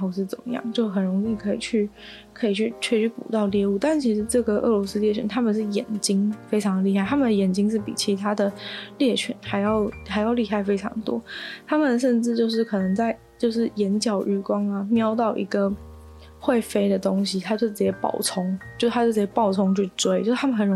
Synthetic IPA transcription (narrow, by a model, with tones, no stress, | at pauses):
o˧˥ʊʂɻ̩˥˩t͡sə̰˨˩mə̰˦jɑ̰˥˩ŋt͡ɕjo˥˩ʊxə˨˩nɻʊ˧˥ŋi˥˩kʰɤ˧˥ḭ˨˩t͡ɕʰy˥˩ | kʰɤ˧˥i˨˩t͡ɕʰy˥˩t͡ɕʰɥɛ˥˧t͡ɕʰy˥˩pṵ˨˩t̪ɑ˥˧ʊljɛ˥˧u˥˧t̪a˥˩nt͡ɕʰi˧˥ʂɻ̩˧˥ʈ͡ʂɤ˥˩ɡə˩ʔɤ̰˥˩lwɔ˧˥s̩˥ljɛ˥˩t͡ɕʰɛ̰˧˩nt̪ʰa˥mə˨nʂɻ̩˥˩jɛ̰˨˩nt͡ɕi˥ŋfe˥ɪʈ͡ʂʰɑ˧˥ŋd̪ə˨li˥˧xa˥ɪt̪ʰa˥mə˨nd̪ə˩jɛ˨˩nt͡ɕi˥ŋʂ̬ɻ̩˥˩pḭ˨˩t͡ɕʰi˧˥t̪ʰa˥d̪ə˨ljɛ˥˩t͡ɕʰɥɛ̰˧˥nxa˧˥ɪjɑ˥˩ʊxa˧˥jɑ˥˧ʊli˥˧xa˥˩ɪfe˥ɪʈ͡ʂʰɑ̰˧˥ŋə˩t̪wɔ̰˥t̪ʰa˥mə˨nʂə˥˧nʈ͡ʂɻ̩˥˧t͡ɕjo˥˧ʊʂ̬ɻ̩˥˩kʰɤ˨˩nɤ˧˥ŋt͡sa˥˩ɪ | t͡ɕjo˥˧ʊʂɻ̩˥˩jɛ˧˥nt͡ɕjɑ˨˩ʊɻ̩˥˩kwɑ˥ŋɐ˨mjɑ˥ʊt̪̬ɑ˥˩ʊʔḭ˧˥ɡə˧ | xwe˥˩ɪfe˥ɪd̪ə˨t̪ʊ˥ŋɕi˨t̪ʰa˥t͡ɕjo˥˩ʊt͡sɻ̩˨˩t͡ɕjɛ˥˩pɑ̰˥˩ʊt͡sʰʊ˥ŋt͡ɕjo˥˩ʂʰa˥jo˥˩t͡s̩˩˨˩jɛ˥pɑ˥˩ʊt͡sʰʊ˥ŋt͡ɕʰy˥˩t͡swe˥ɪt͡ɕjo˥˧˥t̪ʰa˥mə˨˩nxə˨˩nɻ